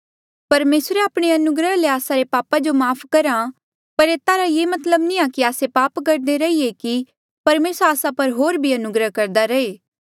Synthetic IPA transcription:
pɐɾmeːsɾeaːpɽ̃eɐnʊɡɾəɦleaːsaɾepaːpad͡ʒomaːpʰkɐɾa | pɐɾeːt̪aɾajeːmɐt̪ləbnĩakiaːsepaːpkɐɾd̪eɾɐieki | pɐɾmeːsɾaːsãpɐɾɦoːɾbʱiɐnʊɡɾəɦkɐɾd̪aɾɐeː

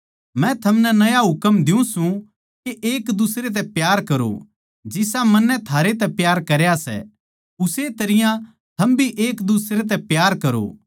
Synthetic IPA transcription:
mɛ̃t̪ʰɐmnɛnɐjaɦʊkəmd̪ɪjũsũ | keʔeːkd̪ʊsɾet̪̬ɛpjaːɾkɐɾo̰ | d͡ʒɪs̬amɐnːɛt̪ʰaːɾet̪̬ɛpjaːɾkɐɾjasɛ̰ | ʊset̪ɐɾɪjã | t̪ʰɐmbʱiʔeːkd̪ʊsɾet̪̬ɛpjaːɾkɐɾo̰ː

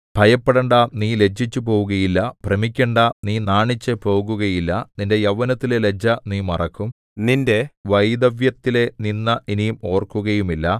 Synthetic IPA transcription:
b̥ʱɐjɐpːeɽɐɳɖɐniːle̞d͡ʑit͡ɕːupo̞ːʋuɣɐjilːɐpremikʲːeɳɖaniːnaːɳit͡ɕːɐpo̞ːɣuɣɐjilːɐninde̞jɐʋɐnɐt̪ːilele̞d͡ʑɐniːmɐrɐkːum | ninde̞ʋɐjd̪ɐʋjɐt̪ːile̞ninːɐʔinijumo̞ːrkuɣɐjumilːɐ

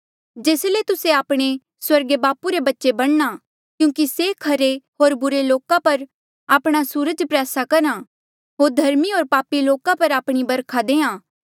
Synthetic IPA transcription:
d͡ʒeːslet̪ʊseaːpɽ̃e | swɐɾɡebaːpuɾebɐtːʃebɐɽ̃na | kjũːkisekʰɐɾeɦoːɾbʊɾeloːkãpɐɾ | aːpɽ̃asuːɾəd͡ʒpɾɛːsakɐɾã | ɦoːɾd̪ʱɐɾmiɦoːɾpaːpiloːkãpɐɾaːpɽ̃ibɐɾkʰad̪eːãː

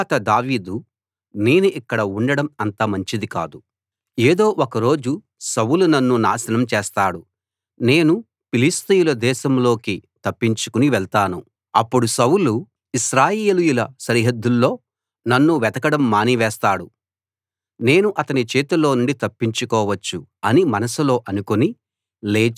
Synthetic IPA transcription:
at̪ɐd̪aːʋiːd̪u | ne̞ːnuʔikːɐɽɐuɳɖɐɽɐmɐnt̪ɐmɐɲt͡ʃid̪ika̰ːd̪u | eːd̪o̞ːʔokɐɾo̞ːd͡ʒu | sɐwulunɐnːuna̰ːsɐnɐmt͡ʃeːst̪aːɽu | ne̞ːnu | pilist̪ijulɐd̪ɛːʃɐmlo̞ːkit̪ɐpːiɲt͡ʃu̥kuniʋɛɭt̪aːnu | ɐpːuɽusɐwulu | iʃɾaːjeːlujulɐsɐɾiɦɐd̪ːulːo̞ː | nɐnːuʋɛt̪ɐkɐɽɐmːaːniʋɛːst̪aːɽu | ne̞ːnuʔɐt̪ɐnit͡ʃeːt̪ulo̞ːnuɳɖit̪ɐpːiɲt͡ʃukɔːʋɐt͡ʃːuɐnimɐnɐsulo̞ːʔɐnukoni | leː

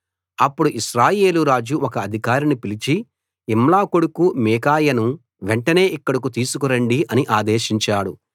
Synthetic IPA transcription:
ɐpːuɽuʔiʃɾaːje̞ːluɾaːd͡ʒuʔɔkɐːd̪ʱikaːɾinipilit͡ʃi | imlaːkoɽukumiːkaːjɐnu | ʋeɳʈɐne̞ːʔikːɐɽɐkut̪iːsukuɾɐɳɖiʔɐniʔaːd̪eːʃiɲt͡ʃaːɽu

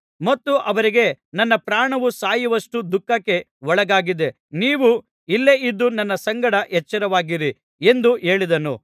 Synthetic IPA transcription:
mɐt̪ːuʔɐʋɐɾiɡe̞nɐnːɐpɾaːɳɐʋusaːjɐʋɐʂʈud̪ukːɐkːe̞ʋɔɭɐɡaːɡid̪e̞ | niːʋu | ilːe̞id̪ːunɐnːɐsɐŋɡɐɽɐʔɛt͡ʃːɐɾɐʋaːɡiɾi | e̞nd̪ue̞ːɭid̪ɐnṵ

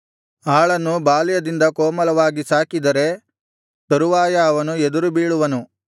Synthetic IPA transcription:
aːɭɐnːubaːlijɐd̪ind̪ɐkɔːmɐlɐʋaːɡisaːkid̪ɐɾe̞ | t̪ɐɾuʋaːjɐːʋɐnued̪uɾubiːɭuʋɐnu

